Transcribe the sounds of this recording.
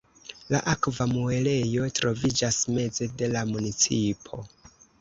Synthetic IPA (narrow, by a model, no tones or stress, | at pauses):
laʔakvamue̞le̞jo̞tɾo̞vid͡ʒasme̞d͡ze̞de̞lamunit͡sipʰo̞